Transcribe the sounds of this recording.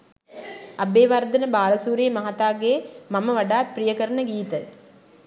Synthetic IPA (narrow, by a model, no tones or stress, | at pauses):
ɐbeːʋaɾd̪ɐnəbaːlɐsuːɾemɐɦɐt̪aːɡeːmɐməʋɐɖaːt̪̚prijəkəɾɐnəɡiːt̪ə